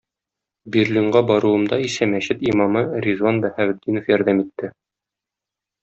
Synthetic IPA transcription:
biɾliɴɢɑbɒɾŭwɤ̆md̪ɑisæmæɕɘt̪imɑmɤrʲizwanbæhæβɘ̆d̪ːinŏfjɒɾd̪æmit̪ːɘ

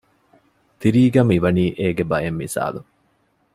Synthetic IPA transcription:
t̪iɾiːɡɐmiʋɐniːʔeːɡebɐjemːisa̰ːlu

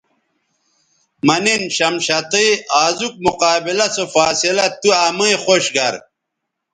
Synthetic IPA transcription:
mɐninɕɐmɕɐt̪iaːzuk̚muqaːbilɐsofaːsilɐt̪uɐmɐiχoɕɡɐɾ

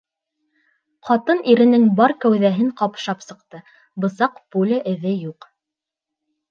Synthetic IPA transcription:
qɑt̪ɤniɾɘ̆nɘŋbɑɾkæwðæɦɘŋqɑpʃɑpsɤ̆qt̪ɤ | bɤ̆sɑqpulɘʔɘ̆ðɘjuq

